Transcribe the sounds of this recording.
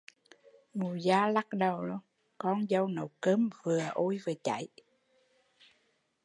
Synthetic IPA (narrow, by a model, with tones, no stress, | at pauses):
mu˨˩zaː˧la˦˥k̚ɗə˨˩wlo˧ŋ | kɔ˧nzə˧wnə̰˧˨˦wkəː˧˦mvɨ˨˩əʔo˧jvɨ˨˩t͡ɕa̰˧˩˦j